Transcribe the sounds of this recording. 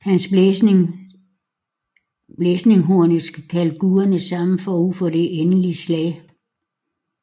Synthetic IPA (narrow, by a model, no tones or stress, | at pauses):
hæns | b̥lesne̝ŋɦo̝ɐ̰nəsɡ̥əkʰælɡ̥uɐnəsɑ̈məfɒufɒ̽d̥e̝ʔenəlislɛːɪ